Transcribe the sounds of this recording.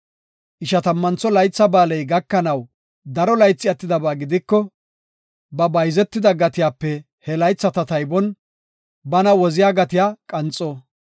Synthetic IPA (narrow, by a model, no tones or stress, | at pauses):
ʔɪʃɐt̪ɐmːɐnt͡sːɔlɐjt͡sːɐbaːlɛjɡɐkːɐnɐw | d̪ɐɾɔlɐjt͡sːɪɐt̪ːɪd̪ɐbaːɡɪd̪ɪkːɔ | bɐbɐjzɛt̪ːɪd̪ɐɡɐt̪ɪjaːpːɛ | hɛlɐjt͡sːɐt̪ɐt̪ɐjbɔn | bɐnɐwɔzɪjaːɡɐt̪ɪjaːkʼɐnt͡sʼːɔ